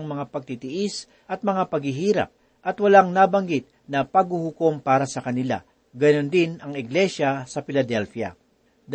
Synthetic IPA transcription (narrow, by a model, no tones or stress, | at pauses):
ŋmɐŋapɐɡ̚t̪it̪ɪʔɪs | ʔɐt̪̚mɐŋapɐɡhɪɦiːɾɐ̰p̚ | ʔɐt̪wɐlaŋnaːbɐŋɡɪt̪̚nɐpɐɡ̚huhʊko̞mpaːɾɐsɐkɐnɪla̰ | ɡɐnond̪ɪnɐŋɪɡlɛʃasɐfɪlɐd̪ɛlfja̰ | d̪